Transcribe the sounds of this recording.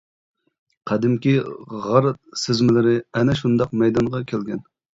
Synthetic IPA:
qʰɑd̪ɪmkʲiʁɑɾt̪sɪzmɪlɪɾɪɛnɛʃund̪ɑqmɛjd̪ɑɴʁɑkʲʰelɡʲɛn

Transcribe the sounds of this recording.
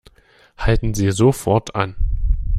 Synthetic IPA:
haltn̩ziːzofɔɐtʰa̰n

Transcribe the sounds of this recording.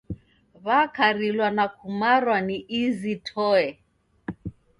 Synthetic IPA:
βakaɾilwanakʰumaɾwaniʔizitʰɔɛ

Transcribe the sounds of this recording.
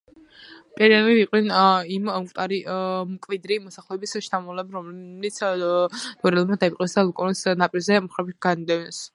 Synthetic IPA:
pʼɛɾɛliviqʼwɛnimukʼt̪ʼaɾimkʼvid̪ɾimɔsaχlˠɔɛbisʃt̪ʰamɔlɛbɾɔmlit̪sʰ | d̪̥ɔɾɛlˠmad̪aiqʼwɛsd̪alˠɔkʼɔnisnapʼiɾzɛmχɾɛbiɡ̥anid̪ɛvɛns

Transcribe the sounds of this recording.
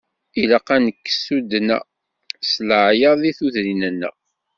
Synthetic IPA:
ilaqænəkːə̥sud̪næ̰ | sləʕjɑðiθuðɾinənːæ̰

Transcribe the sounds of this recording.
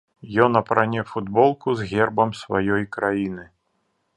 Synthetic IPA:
jɔnɐpɾanʲɛfud̪bɔlˠkuzɣʲɛrbɐmsvajɔjkɾajinɨ

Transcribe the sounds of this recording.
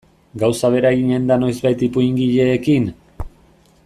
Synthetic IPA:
ɡawsaβe̞ɾaeɣiɲe̞nd̪ano̞jzβajt̪ipuiŋɡiʎe̞ːkiŋ

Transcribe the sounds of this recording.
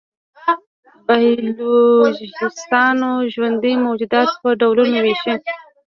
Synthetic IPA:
bahlod͡ʒɪst̪ɑnoʒwand̪imowd͡ʒud̪ɑt̪pəɖawlunaweʃi

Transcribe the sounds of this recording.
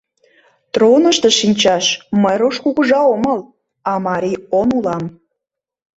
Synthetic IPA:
t̪ronə̆ʃt̪ə̆ʃinʲt͡ɕɑʃməjɾoʃkuɣəʒɑoməl | ɑmɑɾʲionulɑm

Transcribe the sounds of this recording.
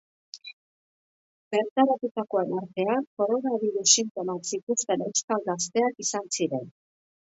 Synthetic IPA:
be̞ɾt̪aɾat̪ut̪ako̞e̞naɾt̪e̞ako̞ɾo̞naβiɾusːint̪o̞maksit̪usp̪e̞ne̞wskalɡast̪e̞akisansiɾe̞n

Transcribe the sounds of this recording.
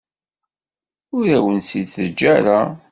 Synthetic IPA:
ʊɾæwənsid̪θəd͡ʒːæɾa

